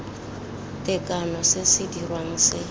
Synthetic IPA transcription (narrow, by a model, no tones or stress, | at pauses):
tʼɪkʼanɔsɪsɪdirwaŋ̩sɪ